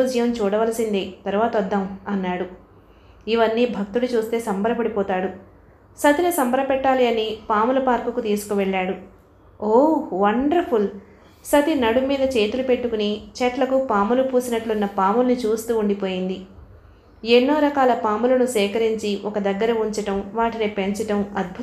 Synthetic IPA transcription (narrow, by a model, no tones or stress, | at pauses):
d͡ʒɐjɐmt͡ʃuːɽɐʋɐlɐsind̪eːt̪ɐɾʋaːt̪ɐɔd̪ːɐmɐnːaːɽu | iʋɐnːiːbʱɐk̚t̪uɽut͡ʃuːst̪e̞ːsɐmbɐɾɐpɐɽipɔːt̪aːɽu | sɐt̪inisɐmbɐɾɐpɛʈːaːliɐnipaːmulɐpaːɾkukut̪iːsu̥kuʋɛɭːaːɽu | oːʋɐɳɖɐɾpʰul | sɐt̪inɐɽumiːd̪ɐt͡ʃe̞ːt̪ulupe̞ʈːukunit͡ʃɛʈlɐkupaːmulupuːsinɐʈlunːɐpaːmulnit͡ʃuːst̪uːuɳɖipo̞ːjind̪i | enːoːɾɐkaːlɐpaːmulɐnusɛːkɐɾiɲt͡ʃiʔɔkɐd̪ɐɡːɐɾɐuɲt͡ʃɐʈɐmʋaːʈinipe̞ɲt͡ʃɐʈɐmɐd̪̚bʱu